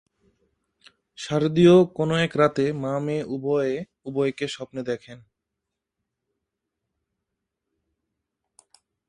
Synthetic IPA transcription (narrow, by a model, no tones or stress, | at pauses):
ʃaɾd̪iokonoɛkɾat̪emameubɔee | ubɔekeʃɔpned̪ɛkʰen